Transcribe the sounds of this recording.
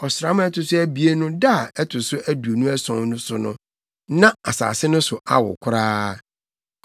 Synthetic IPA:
ɔ˨sɾa˦m̃˦ɛ˦tʰʊ˨sʊ˦æ˦bi˨e˦nʊ̃˦da˦˨ɛ˦tʰʊ˨sʊ˦ʔæ˦du˨o˨nũ˦æ˦sɔ̃˨˦nʊ̃˦sʊ˨nʊ̰̃˦ | nã˦a˨sa̰ː˨sɪ˦nʊ̃˦sʊ˨a̰˦wʊ̰˨kʷʰʊ˦ɾaː˦

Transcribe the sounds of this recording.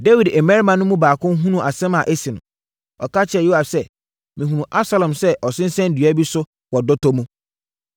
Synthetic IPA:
de˦wi˨dɛ˨mɛ̃˦ɾi˦mã˨nʊ̃˦mũ˦baː˨kʰʊ̃˦n˦ɦũ˦nũ˨ʔa˨sɛ̃˦mã˨ʔe˦sĩ˨nʊ̃˨ | ɔ̰˨ka˦t͡ɕʰɪ˦ɛ˨ju˦a˨fsɛ˦ | mĩ˨ɦũ˨nũ˨ʔa˦bsa˦lɔ̃˨msɛ˦ʔɔ˨sɪ̃˦n̩˦sɛ̃˦n˦dɥa˦bi˦sʊ˦ | wɔ˨dɔ˦tʰɔ˦mũ˦

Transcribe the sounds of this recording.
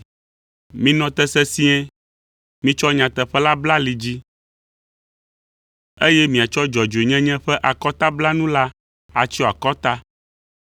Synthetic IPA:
mĩ˦nɔ̃˨t̪ɛ˦sɛ˦si˦ɛ̃˦ | mĩ˦t͡ʃɔ˦ɲã˨t̪ɛ˨ɸɛ˦la˦bla˦li˨d͡ʑi˦ | e˦jɛ˦mĩ˨a˨t͡ʃɔ˦d͡ʒɔ˨d͡ʒo˨e˨ɲɛ̃˦ɲɛ̃˦ɸɛ˦ʔa˨kɔ˦t̪a˦bla˦nũ˦la˦ | a˨t͡ʃi˦ɔ˦˨a˨kɔ˦t̪a˦

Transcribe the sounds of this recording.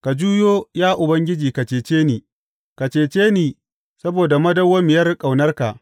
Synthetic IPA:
ka˨d͡ʒuː˦joː˦jaː˦ʔʊ˨bɐ˦ŋɡʲɪ˦d͡ʒiː˨ka˨t͡ʃeː˨t͡ʃeː˦niː˨ | ka˨t͡ʃeː˨t͡ʃeː˦niː˨ | sɐ˦boː˨da˨mɐ˦dɐ˦wɐ˦mɪ˨jɐ˦rkʼa˨wnɐ˦rka˨ʔ

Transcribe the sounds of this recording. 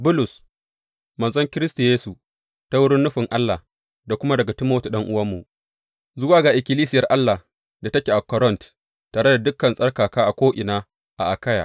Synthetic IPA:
bʊ˦lʊ˨s | mɐ˨zɐ˦ŋkʲɪ˦ɾɪ˦sta˨jeː˦su˨ | ta˦wʊ˦ɽɪ˦nːʊ˦ɸɪ˨ŋʔa˦lːaː˨h | da˨kʷʊ˦ma˦dɐ˨ɡa˨tɪ˦moː˦tu˨ɗɐ˦ŋʔʊ˦wɐ˦mːu˨ʔ | zʊ˦waː˨ɡaː˨ʔɪ˨kʲɪ˨liː˦s̬ɪ˦jɐ˨rʔa˦lːa˨ | da˨tɐ˦kʲeː˨ʔa˨kɔ˨˦ɾɔ˦nt | tːaː˨ɽe˦da˨dʊ˦kːɐ˨nsʼɐ˦rkaː˨kaː˦ʔa˨kʷoː˦ʔɪ˨naː˦ | ʔa˨ʔa˨ka˦ja̰ː˨ʔ

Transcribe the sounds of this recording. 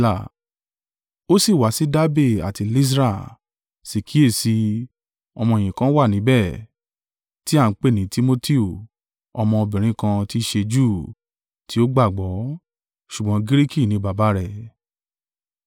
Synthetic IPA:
la˨ | o˦si˦˨wa˨˦si˦da˦be˦˨a̰˨ti˧li˦s̬ɾa˦˨ | si˨kʰi˦e˦˨si˧ | ɔ˧mɔ̃˧e˨j̃ĩ˨kã˦wa˦˨nĩ˨˦bɛ˦˨ | ti˦a˦˨˦k͡pe˦˨nĩ˨˦ti˦mo˦ti˦o˨ | ɔ˧mɔ̃˧o˧bĩ˨ɾ̃ĩ˦kã˧ti˦ʃe˧d͡ʒu˦˨ | tʰi˦o˦ɡ͡ba˦˨ɡ͡bɔ˨˦ | ʃu˨ɡ͡bɔ̃˨˦ɡi˦ɾi˦ki˦˨nĩ˧˦ba˨ba˨˦ɾɛ˦˨

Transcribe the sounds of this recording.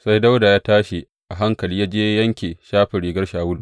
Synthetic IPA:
sa˦jda˦wda˨jaː˦taː˦ʃe˨ | ʔa˨ɦa˦ŋkɐ˨liː˦jaː˦d͡ʒeː˦jɐ˦ŋkʲeː˨ʃaː˦ɸɪ˨ɾiː˨ɡɐ˦rʃaː˨wʊ˦l

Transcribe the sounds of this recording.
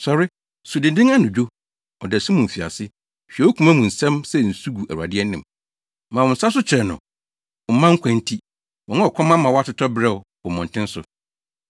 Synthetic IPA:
sɔ˨ɾɪ˦ | sʊ˨dɪ˨dɪ̃˦ŋa˦nʊ̃˨d͡ʑᶣo˦ | ɔ̰˨dɛ˨sʊ̃˦mʊ̃˨m̩˨fi˨a̰˨sɪ˦ | ɕᶣi˨ɛ˨o˦kʰũ˨˦mã˦mũ˨n̩˨sɛ̃˦msɛ˦˨n̩˨su˦ɡu˨ʔæ̰˨ɾu˨a̰˨dɪ˦ɛ˦nɪ̃˨m | mã˨wɔ̃˨n̩˨sa˦s̬ʊ˦t͡ɕʰɪ˨ɾɛ˨nʊ̰̃˨ | m˨˦mã˦ŋ̩˦kʷʰã˨n˦tʰi˦ | wɔ̃˨˦a˦ɔ˨kʷʰɔ̃˦mã˦mã˨wɔ˦a˦tʰʊ˦tʰɔ˦bɾɛ˦ʊ˨wɔ˨mɔ̃˨n̩˨tɪ̃˦n˦sʊ̰˨

